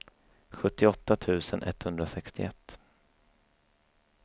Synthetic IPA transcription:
ɧɵt̪ːɪɔt̪ːat̪ʰʉ̟ːsənʔɛt̪ːhɵnd̪ɾasɛkst̪ɪ̰ɛt̪ː

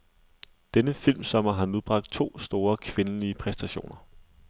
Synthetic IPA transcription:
d̥enəfil̰msɒ̽m̰ɐɦɑ̈nuð̞ˠb̥ʁɑ̈ɡ̥̚d̥̚t͡sʰo̝̰ːsd̥o̝ːɐkʰʋe̝nəliəpʰʁɛsd̥æɕo̝̰ːnɐ

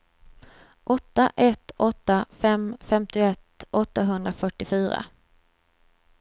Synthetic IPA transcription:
ʔɔt̪ːaʔɛt̪ːɔt̪ːafɛmfɛmt̪ɪɛt̪ːʔɔt̪ːaɦɵnd̪ɾafœʈːɪfyːɾa̰

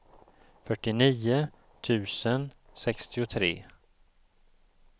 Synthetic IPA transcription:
fœʈːɪniːʊ | t̪ʰʉ̟ːsənsɛkst̪ɪʊt̪ʰɾḛː

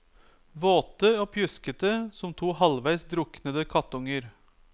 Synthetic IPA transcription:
ʋoːt̪əoːpʰjʉskət̪əsɔmt̪ʰuːhɑlʋæɪsd̪ɾʊknəd̪əkʰɑt̪ʊŋəɾ

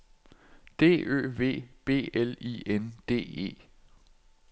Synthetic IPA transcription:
d̥e̝̰ːʔø̰ːʋe̝̰ːb̥e̝̰ːelḭend̥e̝̰ːe̝̰ː

